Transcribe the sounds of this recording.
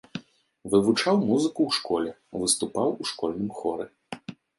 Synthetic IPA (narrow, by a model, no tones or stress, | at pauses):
vɨvut͡ʂawmuzɨkuwʂkɔlʲɛvɨst̪upawuʂkɔlʲnɨmxɔɾɛ